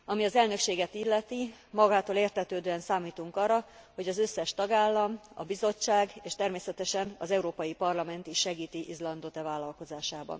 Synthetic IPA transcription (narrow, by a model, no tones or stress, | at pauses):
ɒmiɒzɛlnø̞kʃeːɡɛt̪ilːɛt̪imɒɡaːt̪oːleːrt̪ɛt̪øːd̪øːɛnsaːmiːt̪uŋkɒrːɒho̞ɟɒzø̞sːɛʃt̪ɒɡaːlːɒmɒ̰bizo̞t͡ʃːaːɡeːʃt̪ɛrmeːsɛt̪ɛʃɛnɒzɛuɾoːpɒjipɒrlɒmɛnt̪iʃʃɛɡiːt̪iʔizlɒnd̪ot̪ɛvaːlːɒlko̞zaːʃaːbɒ̰n